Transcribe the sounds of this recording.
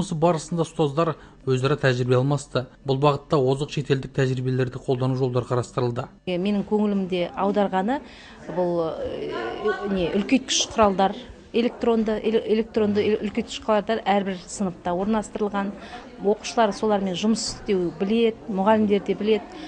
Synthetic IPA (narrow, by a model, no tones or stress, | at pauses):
məsəbɑɾəsənd̪ɑst̪ɑzd̪ɑɾ | wɵzɑɾɑt̪ʰæʒɾibe̞ɑlˠmɑst̪əbʊlˠbɑʁət̪ːɑwo̞zəqʃe̞t̪e̞ld̪ɪk̚t̪ʰæʒɾibe̞le̞ɾd̪ɪqʰolˠd̪ɑnuʒo̞lˠd̪ɑɾqʰɑɾɑst̪əɾəlˠd̪ə | eme̞nɪŋkʲʰɵŋɪlɪmd̪e̞ɑwd̪ɑɾʁɑnə | bʊlˠ | neʔʏlkʲet̪̚kʰʲʏ̥ʃqʰʊɾɑlˠd̪ɑɾ | e̞lʲe̞k̚t̪ro̞nd̪əʔeʔelʲe̞k̚t̪ro̞nd̪əʏlkʲet̪ʲʰɪ̥ʃqlˠɑɾd̪ɑɾæɾbɪɾsənəq̚t̪ɑwo̞ɾnɑlˠɑst̪əɾəlˠʁɑn | wo̞qu̥ʃəlˠɑɾso̞lˠɑɾme̞nʒʊməsɪ̥st̪ewbɪle̞d̪ɪmʊʁɑlɪmd̪e̞ɾd̪e̞bɪle̞d̪ɪ